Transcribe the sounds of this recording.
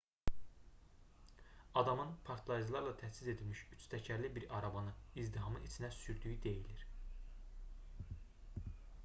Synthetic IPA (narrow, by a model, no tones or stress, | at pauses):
ɑd̪ɑmɯnpʰɑɾt̪ʰlˠɑjzlˠɑɾlˠɑt̪ʰæsize̞d̪ilmiʃyt͡ʃʰt̪ʰæcʰæɾlibiɾɑɾɑvɑnɯizd̪iɦɑmɯit͡ʃʰinæsyɾd̪yjyd̪e̞jiliɾ